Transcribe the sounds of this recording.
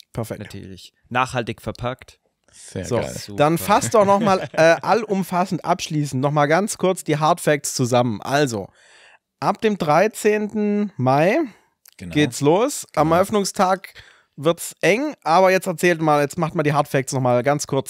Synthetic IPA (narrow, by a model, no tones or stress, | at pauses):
pʰɛɐfɛkntʰːɐlɪç | naːχhaltɪçfɛɐpʰaktː | zo̰ːd̥anfastdɔχnɔχmaːlʔɛːʔalʔʊmfasn̩tʔa̰pʃliːs̬n̩tnɔχmaːlɡant͡skʰʊɐt͡sd̥iːɦaɐtfɛk̚st͡suzamənʔa̰lzo̰ | ʔap̚d̥eːmdʁaɪt͡seːntn̩maɪ | ɡ̥ɡ̥eːtsloːsʔamɛɐʔœfnʊŋstʰaːk | vɪɐtsʔɛŋʔaːbɐjɛt͡stɛɐt͡sɛːldumaːljɛt͡stmaχtmandiːɦaɐtfɛk̚snɔχmaːlɡant͡skʰʊɐt͡s